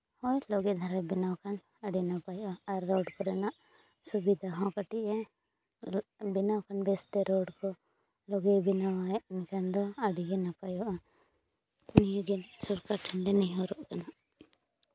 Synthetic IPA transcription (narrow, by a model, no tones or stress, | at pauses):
hɔjlɔɡɛd̪ʱaɾabinawkan | aɽinapajʔaaɾːɔɖkɔɾɛnaʔ | subid̪ʱaɦɔ̃kaʈiʔɛ | binawkanbɛst̪ɛɾoɖkɔ | lɔɡɛbinawaʔnkand̪ɔaɽiɡɛnapajuʔa | nijuɡɛnsuɾkaʈʰand̪ɛnijuɾɔʔkanaʔ